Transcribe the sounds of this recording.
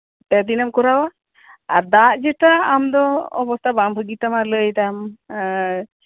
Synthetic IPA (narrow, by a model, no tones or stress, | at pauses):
pɛd̪inamkɔɾawa | aɾd̪aʔd͡ʒɛʈaamd̪ɔɔ̰bɔst̪ʰabambʱəɡit̪amaɾləjt̪am